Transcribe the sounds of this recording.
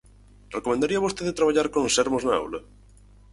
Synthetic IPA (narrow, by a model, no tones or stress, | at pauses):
rekomẽnd̪aɾiɐβost̪eðet̪ɾaβaʎaɾkõŋsɛɾmoznaa̰wlɐ